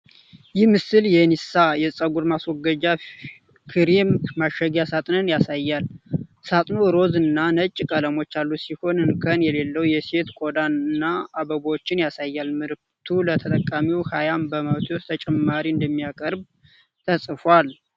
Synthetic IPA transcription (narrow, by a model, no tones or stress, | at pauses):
jɪhmɨsɨljɛnisajɛsʼəɡuɾmaswɔɡəd͡ʒa | kʰɨɾimmaʃəɡjasat̪ʼnɨnjasajːalsat̪ʼnoɾo̞zɨnːanət͡ʃʼkʼələmo̞t͡ʃːalːusiho̞nɨnkʰənjɛle̞lːəwjɛse̞t̪kʼo̞d̪anɨnːaabəβot͡ʃːɪnjasajːalmɨɾɨk̚t̪ʰulət̪ʰət̪ʼəkʼamiwhajambəmawt̪ʰewst̪ʰət͡ʃʼɛmːaɾiɨnd̪əmːijakʼəɾb | t̪ʰəsʼfal